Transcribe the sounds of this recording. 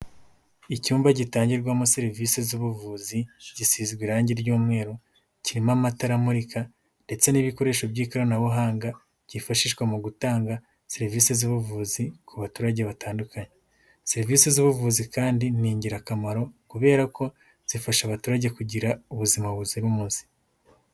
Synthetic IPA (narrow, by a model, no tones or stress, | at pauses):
icuːmbaɟitaːɲɟiɾɡwamoseɾiviːsezuβuvuːziɟisizɡwiɾaːɲɟiɾɟuːmŋe̞ːɾo | ciɾimamataɾamuɾika | nde̞t͡se̞niβiko̞ɾe̞ːʃo̞bɟiːkaɾonaβuɦaːŋɡa | ɟ̥ifaʃiːʃɡwamuɡutaːŋɡa | seɾiviːsezuβuvuːzikʰuβatuɾaɟe̞βataːndukaɲe | seɾviːsezuβuvuzikaːndiniːɲɟiɾakamaɾo̞kuβe̞ːɾako̞ | z̥ifaʃaβatuɾaɟe̞kuɟiɾauβuzimaββuziɾumuːnsi̥